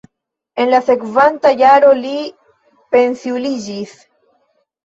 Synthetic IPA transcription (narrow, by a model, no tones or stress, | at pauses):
e̞nlase̞kvantajaɾo̞li | pe̞nsiulid͡ʒis